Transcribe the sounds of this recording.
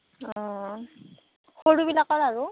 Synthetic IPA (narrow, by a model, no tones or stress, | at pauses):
ɔ̃ | xoɹubilakɔɹaɹʊ